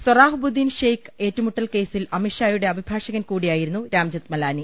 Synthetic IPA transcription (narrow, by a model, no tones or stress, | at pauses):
swɐraːɦbud̪ːiːnʂejke̞ːtːɐmuʈːɐlke̞ːsilɐmiʂaːjuɽe̞ɐbʱibʱaːʂɐɣɐnkuːɽijaːjiɾunːuɾaːmd͡ʑɐt̪mɐlaːni